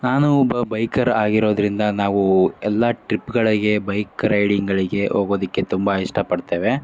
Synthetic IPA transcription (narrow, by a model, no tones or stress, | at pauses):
naːnubɐbɐjkɐɾaːɡiɾo̞ːd̪ɾind̪ɐnaːʋuɛlːɐʈɾipːɡɐɭiɡe̞bɐjkɾɐjɽiŋɡɐɭiɡe̞ʔɦoːɡoːd̪ɐkːe̞t̪umbɐiʂʈʰɐpɐɽt̪e̞ːʋe